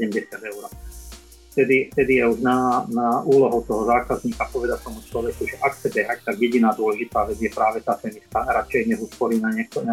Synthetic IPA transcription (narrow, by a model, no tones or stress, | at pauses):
sɛɟɛmɟɛsɪad̪ɛʊɾɔ | ft̪ɛd̪ift̪ɛd̪ijɛuʒnanauːlɔɦɔʊt̪ɔɦɔzaːkazɲiːkapɔʋɛd̪act̪ɔmut͡ʃlɔʋɛkuʒɛʔakt͡sɛbɛɦact̪aɡjɛɟinaːd̪ʊɔlɛʒit̪aːʋɛd͡zɪjɛpɾaːʋɛt̪aːfɛnist̪aɾat͡ʃɛjɲɛzuspɔɾiːnaɲɪɛk̚t̪ɔa